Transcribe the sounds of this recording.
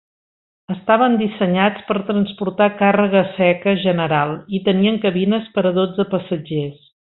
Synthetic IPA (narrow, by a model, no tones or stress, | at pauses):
əst̪aβənd̪isəɲat͡spəɾt̪ɾənspuɾt̪akarəɣəsɛkəʒənəɾalˠit̪əniəŋkəβinəspəɾəðod͡zəpəsəd͡ʒes